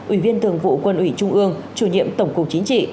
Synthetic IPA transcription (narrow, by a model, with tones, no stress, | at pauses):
ʔi˧˩vi˧ənt̪ɨ˨˩əŋvṵ˧˨kwə˧˩nʔwi˧˩t͡ɕʊ˧ŋ͡mʔɨ˧əŋt͡ɕu˧˩ɲḭ˧˨əmt̪ə˧˩wŋ͡mkʊ˨˩k͡p̚t͡ɕi˨˦ŋt͡ɕḭ˧˨